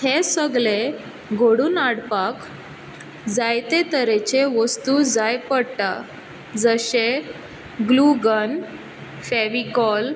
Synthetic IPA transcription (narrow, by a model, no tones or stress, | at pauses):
hesəɡle | ɡʱoɽuːnaɽpak | d͡zajt̪et̪əɾet͡ɕeʋəst̪ud͡zajpəɽʈa | d͡zəɕe | ɡluɡən | feʋikɔl